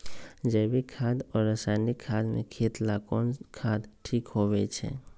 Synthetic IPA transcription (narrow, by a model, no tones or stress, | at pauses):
d͡ʒɛːbikʰaːd̪ɔːɾːəsaːnikʰaːd̪mḛ̃kʰiːt̪lakɔːnkʰaːd̪ʈʰiːkɦoʋɛt͡ʃʰɛ̰ː